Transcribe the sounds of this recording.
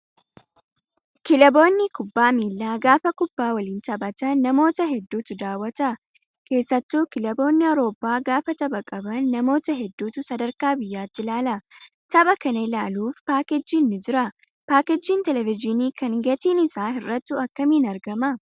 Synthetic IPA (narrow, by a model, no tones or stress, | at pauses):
kɪlɐbo̞ːnːɪkʊbːaːmiːlːaːɡaːfɐkʊbːaːwɐliːnt̪ɐbɐt̪ɐnːɐmo̞ːt̪ɐɦɛd̪ːuːt̪ʊd̪aːwɐt̪ɐ | ke̞ːsːɐt̪ːuːkɪlɐbo̞ːnːɪɐwɾo̞ːpːaːɡaːfɐt̪ɐbɐkʼɐbɐnːɐmo̞ːt̪ɐɦɛd̪ːuːt̪ʊsɐd̪ɐɾkaːbɪjːaːt̪ːɪlaːlɐ | t̪ɐbɐkɐnɐɪlaːluːfpaːkɛd͡ʒːiːnːɪd͡ʒɪɾɐ | paːkɛd͡ʒːiːnt̪ɛlɛvɪd͡ʒɪniːkɐŋɡɐt̪iːnɪsaːɦɪrːɐt̪ːʊɐkːɐminɐɾɡɐmɐ